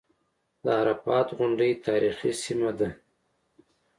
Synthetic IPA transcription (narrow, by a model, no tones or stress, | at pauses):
d̪əaɾafɑːt̪ɣʊɳɖijt̪ʰɑːɾixisimad̪a